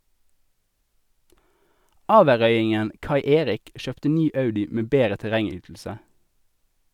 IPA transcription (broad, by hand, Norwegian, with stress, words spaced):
ˈɑːʋəʁœʏɪŋən ˈkɑɪ ˈeːʁɪk ˈʃøːptə ˈnyː ˈɑʉdɪ ˈmeː ˈbeːʁə tɛˈʁɛŋˌyːtl̩sə